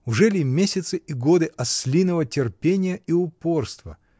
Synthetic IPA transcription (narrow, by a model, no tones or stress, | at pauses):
ʊʐɛlʲɪmʲesʲɪt̪sɨʔiɡod̪ɨʔɐsʲlʲinəvətʲɪrpʲenʲɪjəiʊpo̞rst̪və̰